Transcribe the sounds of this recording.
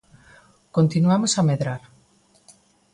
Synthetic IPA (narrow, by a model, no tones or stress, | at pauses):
kont̪inuamosameðɾaɾ